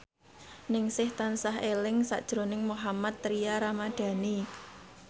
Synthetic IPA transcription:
nɪŋsɪht̪ansaɦelɪŋsa̰ʔd̥ʒ̥ɾo̤nɪŋmuɦamat̪ːɾiaɾamad̪̥ä̤ni

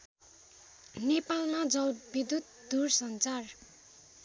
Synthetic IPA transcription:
nepalmad͡zʌbid̪ut̪ | d̪ursʌnt͡sar

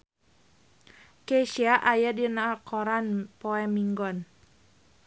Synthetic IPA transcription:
keʃiaʔajadinakʰɔɾanpɔɛmiŋɡɔn

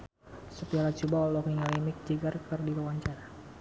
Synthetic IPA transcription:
supialat͡ʃubaɔlɔkiŋalɛmik̚d͡ʒəɡarkərdiɾəwaɲt͡ʃaɾa

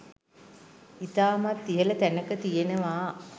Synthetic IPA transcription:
it̪aːmat̪ːijələt̪ænəkət̪ijenəʋaː

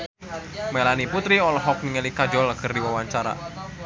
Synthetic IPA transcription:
melaniput̪ɾiɔlɔɦɔk̚niŋelikad͡ʒɔlkɨrdiwawaɲt͡ʃaɾa̰

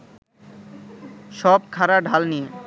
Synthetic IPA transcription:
ʃɔb̚kʰaɾaɖʱalnije

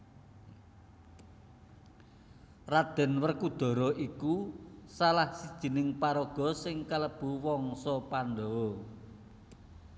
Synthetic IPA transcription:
rad̪̥ɛ̤nwərkud̪̥ɔ̤ɾɔʔikusalahsid̥ʒ̥i̤nɪŋpaɾɔɡ̥ɔ̤sɪŋkaləb̥ṳwɔŋsɔpand̪ɔwɔ

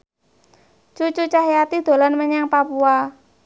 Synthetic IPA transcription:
t͡ʃut͡ʃut͡ʃaɦjat̪id̪̥o̤lanməɲaŋpapua

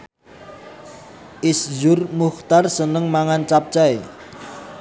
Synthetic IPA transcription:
ʔɪsd͡ʒʊrmuxt̪arsənəŋmaŋant͡ʃap̚t͡ʃae

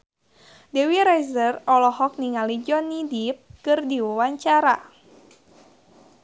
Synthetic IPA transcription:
dewiɾajzərɔlɔhɔk̚niŋalid͡ʒɔnidip̚kɨrdiwawaɲt͡ʃaɾa

